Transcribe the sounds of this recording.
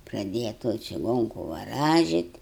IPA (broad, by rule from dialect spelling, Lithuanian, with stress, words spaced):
prɐˈdʲeːjɛ toːj t͡ʃʲɪˈɡoːŋkʊ ʋɐˈrɑːʒʲɪt